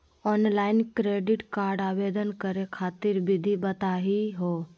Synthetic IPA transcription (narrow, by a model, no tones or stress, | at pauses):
ɔːnlaːɪnkɾeːɖɪʈkaːɾɖaːʋeːd̪ənkəɾekʰaːt̪ɪɾbɪd̪ʱibət̪aːɦiɦoː